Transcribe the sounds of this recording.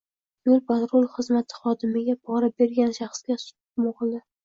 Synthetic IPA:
jolˠpʰat̪ɾolˠχɨzmat̪ʰɪ̥χɒd̪ɪmɪɡʲabɒɾabe̞ɾɡʲanʃaχsɡʲasʊ̥t̪ʊpmoʁlˠd̪ɪ

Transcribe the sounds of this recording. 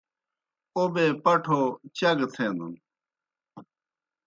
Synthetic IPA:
obeːpɐʈʰoːt͡ɕɐɡt̪ʰeːnd̪ṵn

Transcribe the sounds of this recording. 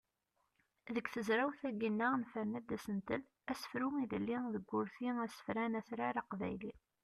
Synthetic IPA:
ðəkθəzɾawθæɡinːanfænːæd̪æsənt̪əl | æsə̥fɾumiðəlːiðəɡːʊɾθiæsə̥fɾænæθɾaɾaqvæ̰jli

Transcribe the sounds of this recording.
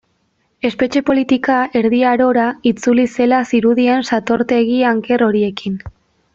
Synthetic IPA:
e̞spe̞t͡ʃe̞po̞lit̪ikae̞ɾð̞iaɾo̞ɾait͡sulise̞lasiɾuðie̞nsat̪o̞ɾt̪e̞ɣiaŋke̞ro̞ɾie̞kin

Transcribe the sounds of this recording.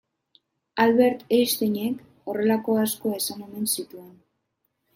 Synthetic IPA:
alβe̞ɾt̪ejst̪eɲe̞k | o̞re̞lako̞asko̞aesane̞me̞nsit̪ue̞n

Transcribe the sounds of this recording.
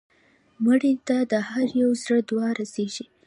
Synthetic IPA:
məɽit̪ad̪əhaɾjawzɾəd̪wɑɾaseʒi

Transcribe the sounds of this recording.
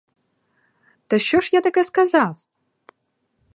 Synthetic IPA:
t̪ɐʃt͡ʃɔʃjat̪ɐkɛskɐzɑw

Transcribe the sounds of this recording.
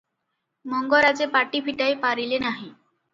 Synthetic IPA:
mɔŋɡɔɾad͡zepaʈipʰiʈajpaɾilenaɦĩ

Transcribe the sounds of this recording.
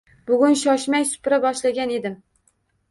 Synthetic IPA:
bʊɡʲʊnʃɒʃmajsʊ̥pɾabɒʃlaɡʲane̞d̪ɪm

